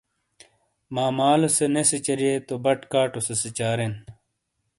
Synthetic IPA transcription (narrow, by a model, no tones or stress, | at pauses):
maːmaːloseneset͡ɕɐɾijeːt̪obɐʈkaːʈoseset͡ɕaːɾen